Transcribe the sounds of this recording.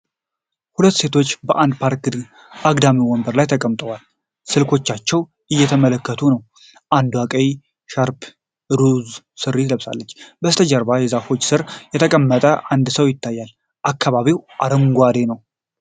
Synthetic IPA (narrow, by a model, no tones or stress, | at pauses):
hulət̪ːse̞t̪ʰo̞t͡ʃːbəʔand̪pʰaɾkd̪ | aɡd̪amiwɔmbəɾlajt̪ʰəkʼəmt̪ʼəwal | sɨlkʰo̞t͡ʃːat͡ʃːɛw | ɨjːɛt̪ʰəmələkːət̪ʰunəw | ʔand̪wakʼəj | ʃaɾp | ɾuz | sɨɾːit̪ʰləβsa̰lːət͡ʃːbəst̪ʰəd͡ʒəɾbajɛzafo̞t͡ʃːsɨɾjɛt̪ʰəkʼəmːət̪ʼəʔand̪səwjɪt̪ːajːal | ʔakʰːaβaβiwʔa̰ɾəŋɡʷad̪enəw